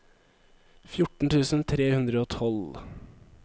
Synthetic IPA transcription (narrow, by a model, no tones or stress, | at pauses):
fjʊʈɳ̩t̪ʰʉːsn̩t̪ʰɾeːhʉnd̪ɾəoːt̪ʰɔl